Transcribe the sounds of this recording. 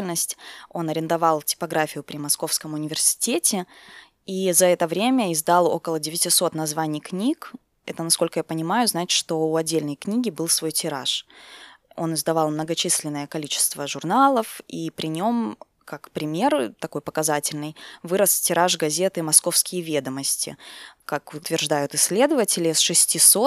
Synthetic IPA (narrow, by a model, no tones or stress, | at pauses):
ɪlʲnəsʲtʲo̞nɐɾʲɪnd̪ɐvalˠtʲɪ̥pɐɡɾafʲɪjʊpɾʲɪmɐsko̞fskəmʊnʲɪvʲɪrsʲɪ̥tʲetʲɪ | izɐɛt̪əvɾʲemʲəɪzd̪alˠo̞̰kəlˠədʲɪvʲɪtʲɪso̞t̪nɐzvanʲɪjknʲik | ɛt̪ənɐsko̞lʲkəjapənʲɪmajʊznaɪt̪ʲʂt̪o̞uɐdʲːelʲnəjknʲiɡʲɪbɨlˠsvojtʲɪɾa̰ʂ | o̞nɨzd̪ɐvalˠmnəɡɐt͡ɕisʲlʲɪnːəjəkɐlʲit͡ɕɪ̥st̪vəʐʊrnalˠəfipɾʲɪnʲo̞m | kakpɾʲɪmʲe̞rt̪ɐko̞jpəkɐzatʲɪlʲnɨjvɨɾəstʲɪɾaʂɡɐzʲet̪ɨmɐsko̞fskʲɪjəvʲe̞d̪əməsʲtʲɪ̰kakʊt̪vʲɪrʐd̪ajʊt̪ɪsʲːlʲe̞d̪əvətʲɪlʲɪəsʂɨsʲtʲiso̞t̪̚